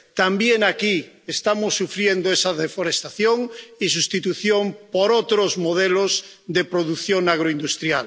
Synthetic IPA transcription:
t̪ambjeŋaki | est̪amosːufɾjend̪oesaðefoɾest̪aθjoŋisust̪it̪uθjompoɾot̪ɾozmoðelozd̪epɾoðuθjoŋaɣ̞ɾoind̪ust̪ɾjal

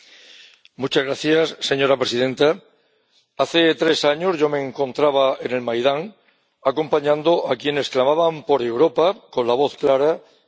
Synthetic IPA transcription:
mut͡ʃazɣɾaθjasːe̞ɲo̞ɾapɾe̞siðẽ̞nt̪a | aθe̞t̪ɾe̞saɲo̞zʝo̞me̞ːŋkõ̞nt̪ɾaβ̞ae̞ne̞lmajðaŋ | ako̞mpaɲãnd̪oʔakje̞ne̞sklamaβampo̞ɾe̞wɾo̞pako̞nlaβ̞o̞θklaɾa

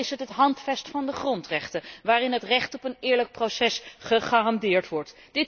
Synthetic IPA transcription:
ɪsɦətɦətɦɑntfɛstfɑndəχrɔntrɛχtəʋaːrɪnɦətrɛχtɔpənɪːɹlək̚prosɛsχəχaːrɑndɪːɹtʋɔɹt | d̥ɪt

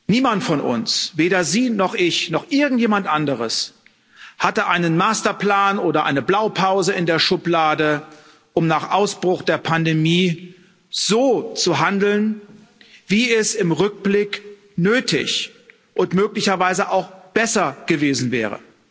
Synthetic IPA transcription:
niːmantfɔnʔʊ̰nsveːɾɐziːnɔχʔɪçnɔχʔɪɐɡŋ̩tjeːmantʔandəʁəs | hatəʔaɪnənmaːstɐpl̥aːnʔoːdɐʔa̰ɪnəblaʊpʰaʊzəɪndeːɐʃʊplaːdə | ʔʊmnaːχʔaʊsb̥ʁʊχd̥eːɐpʰandemiː | z̥oːt͡suɦandl̩n | viːɛsɪmʁʏk̚b̥lɪk | nøːtɪ̰ç | ʔʊntmøːklɪçɐvaɪzəʔaʊxb̥ɛsɐɡ̥əveːzn̩vɛ̰ːʁ̞ə̰

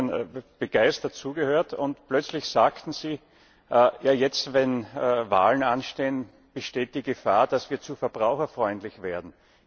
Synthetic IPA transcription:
nb̥əɡ̥aɪstɐtt͡suːɡəhøːɐtʰʊntplœt͡slɪçsaːktn̩ziː | ʔjaːjɛt͡stvɛnːva̰ːlən̩anʃteːən | b̥əʃteːt̚d̥iːɡəfaːɐd̥asv̥iːɐt͡sufɛɐb̥ʁaʊxɐfʁɔʏntlɪçv̥eːɐdn̩

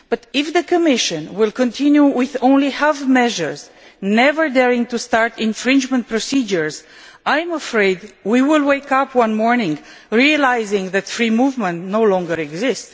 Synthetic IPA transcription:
b̥ʌt̪ɪfðəkəmɪʃə̃nwɪlkə̃ntʰĩnjuwɪðõʊ̃nlihafmɛʒəɹz | nɛvə˞d̪ɛɹɪ̃ŋtustɑɹt̪ɪ̃nfɹɪ̃nd͡ʒmə̃nt̚pɹosid͡ʒəɹz | ʔajməfɹeɪdwiwɪlweɪkʌpʰwʌ̃nmɔɹnɪ̃ŋɡ | ɹiəlajzɪ̃ŋðæt̪fɹimuvmə̃ntnowlɔ̃ŋɡəɹɛɡzɪst

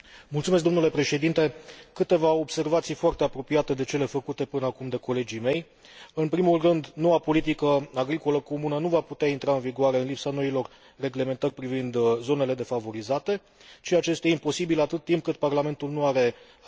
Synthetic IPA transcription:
mult̪sumes̬̚d̪omnule̞pɾe̞ʃe̞d̪int̪e̞kɨt̪e̞vao̞bse̞rvat̪sijfoart̪e̞apɾo̞pijat̪e̞d̪e̞t͡ʃe̞le̞fəkut̪e̞pɨnəakumd̪e̞ko̞le̞d͡ʒijme̞j | ɨnpɾimulrɨnd̪no̞wapo̞lit̪̬ikəaɡɾiko̞ləko̞munənuvaput̪eaint̪ɾaɨnviɡoaɾe̞ɨnlipsano̞ilo̞r | re̞ɡle̞me̞nt̪ərʲpɾivind̪zo̞ne̞le̞d̪e̞favo̞ɾizat̪e̞ | t͡ʃiat͡ʃe̞st̪jaimpo̞sibilat̪ɨt̪ːimp̚kɨt̪̚parlame̞nt̪ulnuaɾe̞

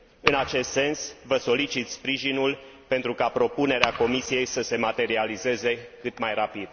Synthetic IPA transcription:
ɨnat͡ʃe̞st̪se̞nsvəso̞lit͡ʃit̪spɾiʒinul | pe̞nt̪ɾukapɾo̞pune̞ɾeako̞misije̞jsəse̞mat̪e̞ɾialize̞ze̞kɨt̪majrapid̪̥

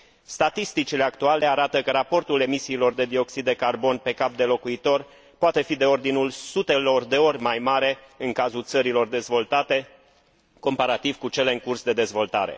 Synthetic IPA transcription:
st̪at̪ist̪it͡ʃile̞ak̚t̪uale̞aɾat̪əkəɾapo̞rt̪ule̞misiːlo̞rd̪e̞d̪io̞ksid̪ːe̞karbo̞npe̞kap̚d̪e̞lo̞kuit̪o̞r | poat̪e̞fid̪e̞o̞rd̪inulsut̪e̞lo̞rd̪e̞o̞rʲmajmaɾe̞ɨŋkazult̪səɾilo̞rd̪e̞zvo̞lt̪at̪e̞ | ko̞mpaɾat̪iv̥kut͡ʃe̞le̞ɨŋkursd̪e̞d̪e̞zvo̞lt̪aɾe̞̰

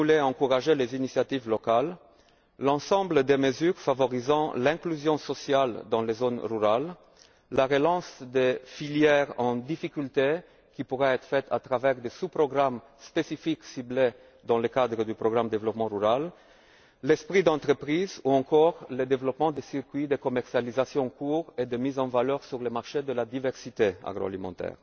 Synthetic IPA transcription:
ulɛɑ̃kuʁaʒelezinisjat̪ivlɔkalː | ɑ̃sɑ̃bləd̪eməzyʁfavɔʁizɑ̃lɛ̃klyzjɔ̃sɔsjald̪ɑ̃lezonʁyʁalː | aʁelɑ̃sd̪efiljɛʁɑ̃d̪ifikʲylt̪e | kʲipuʁɛɛt̪χəfɛt̪ʰa̰t̪ʁavɛʁd̪esupʁɔɡʁam | spesifiksible | d̪ɑ̃ləkad̪ʁəd̪ypʁɔɡʁamd̪evlɔpmɑ̃ʁyʁal | lɛspχid̪ɑ̃t̪χəpχizuɑ̃kɔʁləd̪evlɔpmɑ̃d̪esiʁkɥid̪ekɔmɛʁsjalizasjɔ̃ɑ̃kuʁed̪əmizɑ̃valœʁsyʁləmaʁʃed̪əlad̪ivɛʁsit̪ea̰ɡʁo̰a̰limɑ̰̃t̪ɛ̰ːʁ

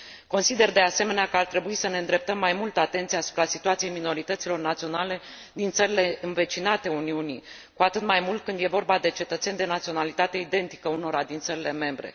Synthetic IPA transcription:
ko̞nsid̪e̞rd̪e̞ase̞me̞neakəart̪ɾe̞buisəne̞ɨnd̪ɾe̞p̚t̪əmːajmult̪əat̪e̞nt̪sieasu̥pɾasit̪uat̪sije̞jmino̞ɾit̪ət̪silo̞rnat̪sio̞nale̞ | d̪int̪səɾile̞ɨnve̞t͡ʃinat̪e̞uniuni | kuat̪ɨt̪majmult̪̚kɨnd̪je̞vo̞rbad̪e̞t͡ʃe̞t̪ət̪se̞nʲd̪e̞nat̪sio̞nalit̪at̪e̞id̪e̞nt̪i̥kəuno̞ɾad̪int̪səɾile̞me̞mbɾe̞̰

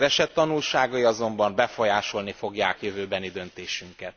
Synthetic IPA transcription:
vɛʃɛt̪ːɒnulʃaːɡɒiɒzo̞mbɒmbɛfo̞jaːʃo̞lnifo̞ɡjaːkjøvøːbɛnid̪ø̞nt̪eːʃyŋkɛt̪̚

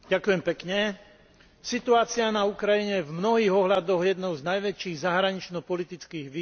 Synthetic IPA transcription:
ɟakujɛmpɛkɲɛ | sit̪uaːt͡sɪanaukɾajiɲɛɛvmnɔɦiːɣɔɦlad̪ɔɣjɛd̪nɔʊznajʋɛt͡ʃiːɣzaɦɾaɲit͡ʃnɔpɔlit̪it͡skiːɣʋi

